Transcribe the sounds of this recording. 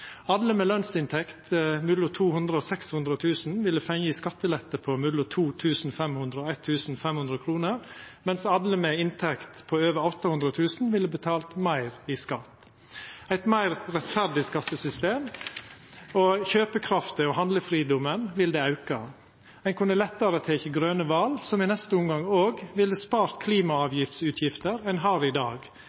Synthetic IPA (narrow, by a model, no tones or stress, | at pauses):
ɑd̪ləmɛlœnsɪnt̪ʰɛkt̪mʉlʊt̪ʰuːhʉnd̪ɾəɔːsɛkshʉnd̪ɾət̪ʰʉːsn̩ʋɪlːəfɛŋiskɑt̪ːəlɛt̪ːəpʰɔmʉlʊt̪ʰuːt̪ʰʉːsn̩fɛmhʉnd̪ɾəɔæɪt̪ʰːʉːsn̩fɛmhʉnd̪ɾəkʰɾuːnəɾmɛnsɑd̪ləmɛɪnt̪ʰɛkt̪pʰɔøːʋəɾɔt̪ːɑhʉnd̪ɾət̪ʰʉːsn̩ʋɪlːəbət̪ʰɑːlt̪mæɪɾiskɑt̪ | æɪt̪mæɪɾɾɛt̪fæɾɖ̪ɪskɑt̪ːəsʏst̪eːm | ɔçøːpəkʰɾɑft̪əɔhɑnd̪ləfɾiːd̪ɔmənʋɪld̪ɛːɑʉkɑ | æɪnkʰʉnəlɛt̪ːɑɾət̪ʰeːkəɡɾøːnəʋɑlsɔmɪnɛst̪əʊmɡɑŋoːɡʋɪlːəspɑːɾt̪kʰliːmɑɑːʋjɪft̪sʉːt̪ʰjɪft̪əɾæɛnɦɑːɾɪd̪ɑːɡ